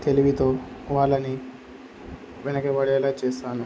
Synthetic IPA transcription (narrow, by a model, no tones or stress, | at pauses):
t̪e̞liʋit̪o̞ːʋaːɭːɐni | ʋɛnɐkɐbɐɽɛːlaːt͡ʃeːsaːnu